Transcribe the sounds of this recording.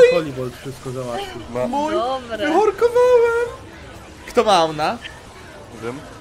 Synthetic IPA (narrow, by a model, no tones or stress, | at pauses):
kɔlʲivɔlt̪fʂɘst̪̚kɔzawaɕud̪mamujɦɔɾkɔvawɛm | kt̪ɔmana | vʲɛm